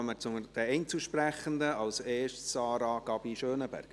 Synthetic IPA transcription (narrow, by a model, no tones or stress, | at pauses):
mət͡sʊŋəd̥ɛɛɪnt͡suʃpræχənd̪əɑlseːʃtsɑːɾɑɡ̥ɑbiʃøːnəbæ̰ɾk